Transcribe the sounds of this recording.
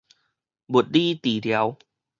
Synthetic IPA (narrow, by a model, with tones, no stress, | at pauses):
bu˨˩t̪̚diː˥˩t̪iː˨˩li˧ə˦˧w